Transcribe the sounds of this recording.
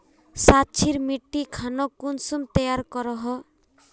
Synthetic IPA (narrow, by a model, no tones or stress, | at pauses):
sat̚ːt͡ʃʰiɾmiʈːikʰanɔkːunsumt̪ɛjaɾkɔɾɔɦɔ